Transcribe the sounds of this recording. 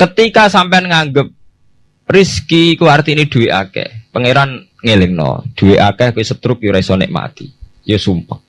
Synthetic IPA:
kət̪ikasampeanŋaŋɡəp̚ | riskikuart̪iniɖ̪̥ṳweʔa̰kɛ̰pəŋeɾan | ŋelɪŋnɔ̰ɖ̪̥ṳweʔa̰kɛhkuwisət̪ɾʊk̚juɾaisɔnɪ̰ʔma̰t̪i | josumpəŋ̚

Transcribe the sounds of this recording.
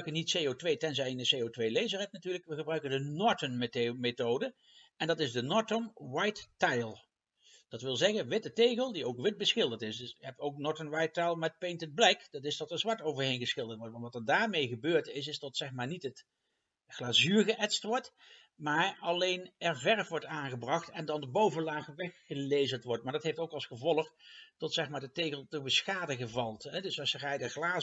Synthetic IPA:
ɥkənitsejotʋejtɛnzɛjɪndəsejowtʋejlejzərɛt̚natyːɹləkʋəɣəbrœɥkəndənɔɹtənmtmetowdə | ɛndɑtɪzdənɔɹtomʋajtːajlˠ | d̥ɑtʋɪlˠzɛɣənʋɪtətejɣəlˠdiowkʋɪt̚bəsχɪlˠdətɪsdsɦɛpowk̚nɔɹtənʋɑjtːajlˠmɛt̚pejntəd̚blɛkdɑtɪsdɑtəɹzʋaɹtowvəɹɦejnɣəsχɪlˠdəɹtʋɔɹtʋɑntʋɑtəɹdaːɹmejɣəbøːɹtɪsɪsdɑtsɛxmaːɹnitət | χlaːzyːɹɣəʔɛtstʋɔɹt | maːɹɑlejnɛɹvɛɹfʋɔɹtaːnɣəbrɑχtɛndɑndəbowvəlaːχʋɛxːəlejzəntʋɔɹtmaːɹdɑtɦejftowkɑlˠsχəvɔlˠəχtɔtsɛxmaːɹdətejɣəlˠtəbəsxaːdəɣəvɑlˠtɦɛdɵsɑsərɛjdəχlaː

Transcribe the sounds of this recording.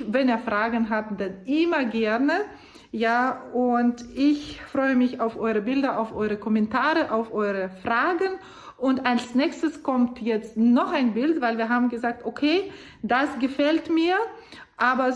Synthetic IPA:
vɛniːɐfʁ̥aːɡn̩ɦabd̥anʔɪmɐɡɛɐnə | jaːʊntɪçfʁ̥ɔʏəmɪçaʊfʔɔʏʁəbɪldɐʔaʊfʔɔʏʁəkʰɔmɛntʰaːʁəʔaʊfʔɔʏʁəfʁ̥aːɡən | ʔʊntʔalsnɛːçstəskʰɔmtʰjɛt͡stnɔχʔaɪnbɪltvaɪlviːɐɦaːbm̩ɡəzaːk̚tokʰeː | d̥asɡ̥əfɛltmiːɐʔaːbɐ

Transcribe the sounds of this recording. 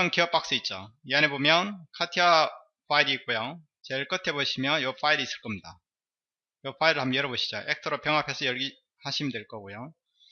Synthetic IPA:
ʌnkiʌp͈ak̚s͈ɯit̚t͡ɕ͈oianebomjʌnkʰatʰia | ɸʰaiɾiːk̚k͈ojo | t͡ɕeɭk͈ɯtʰe̞boɕʰimjʌnjʌpʰaiɾiis͈ɯ̥ɭk͈ʌmɲida | jʌp͈ʰaiɾɯɭɦamjjʌɾʌboɕʰi̥d͡ʑoʔek̚tʰɯɾopjʌŋɦapʰesʰʌjʌɭɡi | haɕʰimdweɭk͈ʌɡojo

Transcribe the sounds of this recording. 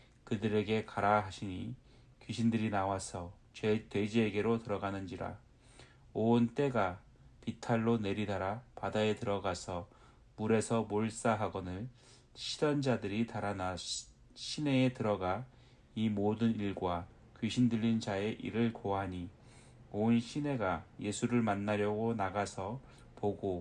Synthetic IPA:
kɯdɯɾe̞ɡe̞kaɾaɦaɕʰiɲi | kɥiɕʰindɯɾinawasʰʌ | t͡ɕwetwe̞d͡ʑieɡe̞ɾotɯɾʌɡanɯnd͡ʑiɾa̰ | ont͈e̞ɡa | pitʰaɭːone̞ɾidaɾapadae̞tɯɾʌɡasʰʌ | muɾe̞sʰʌmoɭs͈aɦaɡʌnɯɭ | ɕʰidand͡ʑadɯɾitaɾana | ɕʰine̞etɯɾʌɡa | imodɯniɭɡwa | kɥiɕʰindɯʎːind͡ʑae̞ʔḭɾɯɭkoɦaɲi | onɕʰine̞ɡaje̞sʰuɾɯɭmanːaɾjʌɡonaɡasʰʌ | poɡo

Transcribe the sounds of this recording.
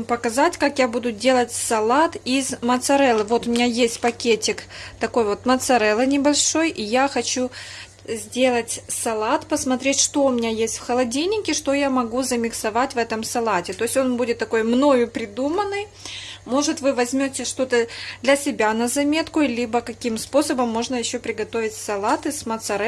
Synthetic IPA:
pəkɐzatʲkakjabud̪ʊdʲe̞lˠətʲsɐlˠat̪izmət̪sɐɾɛlˠɨvo̞t̪ʊmʲɪnʲajesʲtʲpɐkʲetʲɪkt̪ɐko̞jvo̞t̪mət̪sɐɾɛlˠɨnʲɪbɐlʲʂo̞jʔijaxɐt͡ɕu | zʲdʲe̞lˠətʲsɐlˠat̪pəsmɐt̪ɾʲetʲʂt̪o̞ʊmʲɪnʲajesʲtʲfxəlˠɐdʲijnʲːɪkʲɪʂt̪o̞jamɐɡuzəmʲɪksɐvatʲvɛt̪əmsɐlˠatʲɪt̪o̞ɪsʲo̞nbudʲɪt̪ːɐko̞jmno̞jʊpɾʲɪd̪umənːɨj | mo̞ʐɨt̪vɨvɐzʲmʲo̞tʲɪʂt̪o̞t̪əd̪lʲɐsʲɪbʲanəzɐmʲe̞t̪kʊlʲibəkɐkʲimspo̞səbəmːo̞ʐnəjɪɕːo̞pɾʲɪɡɐt̪o̞vʲɪtʲsɐlˠat̪ɨsmət̪sɐɾɛ

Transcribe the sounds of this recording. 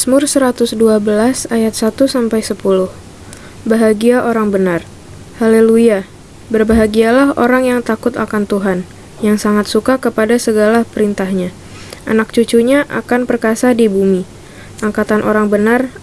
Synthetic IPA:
smʊrsəɾat̪ʊsduabəlasajat̪̚sat̪usampajsəpulʊh | baɦaɡiaʔoɾaŋbənar | haleluia | bərbaɦaɡialaho̰ɾaŋjaŋt̪akʊt̪akant̪uɦan | jaŋsaŋat̪̚sukakəpadasəɡalapəɾint̪ahɲa | ʔa̰nak̚t͡ʃut͡ʃuɲaʔa̰kanpərkasadibumi | aŋkat̪anʔo̰ɾaŋbənar

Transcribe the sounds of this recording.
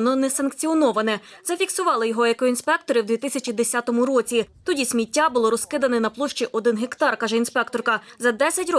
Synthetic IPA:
nɔnɛsɐnkt͡sʲiɔnɔʋɐnɛzɐfʲiksʊʋɑlˠɪjɔɦɔekɔinspɛkt̪ɔɾɪwd̪ʋʲit̪ɪsʲɐt͡ʃʲid̪esʲat̪ɔmʊɾɔt͡sʲit̪ɔdʲisʲmʲitʲːabʊlˠɔɾɔskɪd̪ɐnɛnɐplˠɔʃt͡ʃiʔɔd̪ɪnɦekt̪ɑrkɑʒɛinspɛkt̪ɔrkɐzɐd̪ɛsʲɐtʲrɔ

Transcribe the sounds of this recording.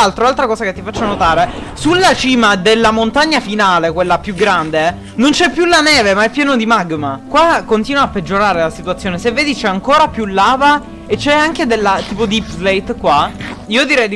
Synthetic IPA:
alt̪ɾolalt̪ɾakɔːszaket̪ːifat͡ʃːonot̪aːɾe | sulːat͡ʃiːmad̪elːamont̪aɲːafinaːlekwelːapjuɡɾand̪e | nont͡ʃɛpːjulanɛːvemaɛpːjɛːnod̪imaɡmakwakːont̪iːnwaːpːed͡ʒːoɾaːɾelasit̪uat̪sːjoːnesevːeːd̪it͡ʃɛaŋkoːɾapjulːaːva | et͡ʃːɛaŋk̟ed̪elːat̪iːpod̪ipzlejt̪kwaiːod̪iɾɛj̪

